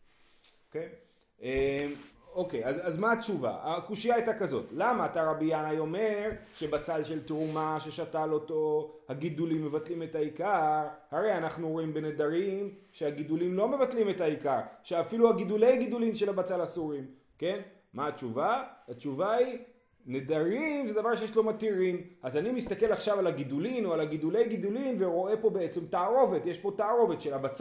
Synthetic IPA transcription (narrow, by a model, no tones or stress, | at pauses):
okej | ʔemo̞kejazazmaat͡ʃuva̰akuʃijaajtakazo̞tlamaːtaʁabijanajo̞me̞ʁʃe̞bat͡salʃe̞ltʁumaʃe̞ʃatalo̞to̞haɡidulimːe̞vatlime̞taikaʁhaʁe̞janaχnuooimbenedaʁimʃeaɡidulimlo̞me̞vatlime̞taikaʁʃeafiluaɡidule̞jɡid̪ulimʃe̞labat͡salasuʁim | ke̞n | maːt͡ʃuvaat͡ʃuvai | ne̞daʁimzed̪avaʁʃejeʃlo̞mat̪iʁimazanimist̪ake̞laχʃavalaɡidulino̞alaɡid̪ule̞jɡid̪ulimveʁo̞e̞po̞beet͡se̞mtaaʁo̞ve̞tje̞ʃpo̞taːʁo̞ve̞tʃe̞labat͡s